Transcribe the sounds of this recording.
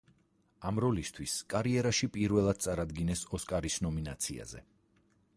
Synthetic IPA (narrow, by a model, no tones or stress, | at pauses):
amɾɔlist̪ʰwiskʼaɾiɛɾaʃipʼiɾvɛlˠad̪̥̚sʼaɾad̪ɡinɛsɔskʼaɾisnɔminat̪sʰia̰zɛ̰